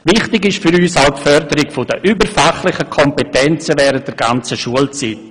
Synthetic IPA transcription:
ʋɪχtɪɡɪʃfyɾyːsaʊpfœɾdəɾɪkfʊdəʔybəɾfaχlɪχəkʰɔmpetɛnt͡səʋɛːɾət̚d̥ɛɾɡant͡səʃuəlt͡sit

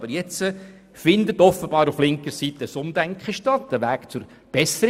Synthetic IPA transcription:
b̥əɾjɛt͡sə | fɪnd̪ət̪ɔfəbɑːɾuflɪŋkəɾsit̪əəsʊmd̪æŋkχəʃtɑt̪ːəʋæːkt͡sʊɾ | b̥ɛsəɾ

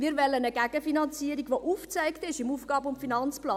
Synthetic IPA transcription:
miːɾvɛlənəɡɛɡəfinɑnt͡siəɾiɡʋoʔuːft͡sæɪktɪʃɪmuːfɡ̥ɑːbəʊmfinɑnt͡splɑː

